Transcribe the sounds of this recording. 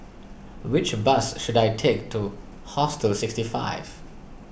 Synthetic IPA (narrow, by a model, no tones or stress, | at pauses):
wɪt͡ʃbʌsʃudaɪtʰek̚tʰu | hɔstəlsɪkstifa̰ɪv̥